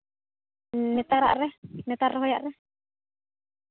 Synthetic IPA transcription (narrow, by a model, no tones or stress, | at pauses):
net̪aɾa̰ʔɾenet̪aɾɦoja̰ʔɾe